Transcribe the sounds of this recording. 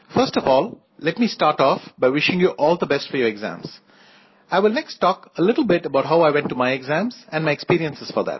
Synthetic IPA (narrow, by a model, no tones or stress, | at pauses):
fəɾsʈɔvɔːl | lɛʈmiːsʈaːɾʈɔːfbaɪwɪʃɪ̃ŋjuʔɔːld̪əbɛsʈfɔɾjɔːɾɪɡzæ̰̃mz̥ | aɪʋɪlnɛkstʈːɔːkəlɪʈl̩ˠbɪʈəbaʊʈɦaʊaɪwɛ̃nʈːumaɪɛɡzæ̃mz̥ɛ̃nmaɪekspiːɾiə̃nsɪz̥fɔd̪æ̰ʈ̚